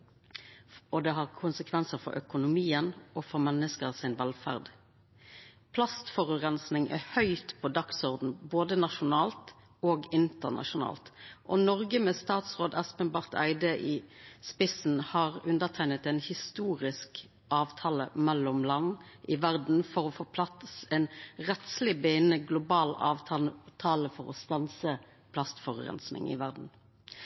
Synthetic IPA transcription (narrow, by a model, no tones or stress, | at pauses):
ɔd̪ɛhɑʁkʰʊnsəkʰʋɛnsəfɔ̰ɾʔœ̰kʊnʊmiːənɔfɔʁmɛnːəskəʁsɪnʋɛlfæ̰ʁd̪ | pʰlɑst̪fɔʁʉʁɛnsnɪŋʔæ̰hœʏt̪pʰɔd̪ɑksɔʁd̪n̩boːd̪ənɑʃʊnɑːlt̪ | oːɡɪnt̪əʁnʔɑ̰ʃʊnɑ̰ːlt̪ʔɔnɔʁɡəmɛst̪ɑːt̪sʁoːd̪ɛspənbɑʁt̪æ̰ɪd̪əʔiːspɪsn̩hɑːʁʉnd̪əʁt̪ʰæɪnət̪ɛnhɪst̪uːʁɪsk | ʔɑːʋt̪ʰɑːlə̰mɛlːʊmlɑnːʔɪʋæʁd̪n̩fɔʁɔfoːpʰlɑt̪sɛnʁɛt̪slɪbeɪnəɡlʊbɑːlɑ̰ːʋt̪ʰɑt̪ʰɑːləfɔʁɔ̰st̪ɑnsə | pʰlɑst̪fɔʁʁɛ̰nsnɪ̰ŋɪ̰ʋæʁd̪n̩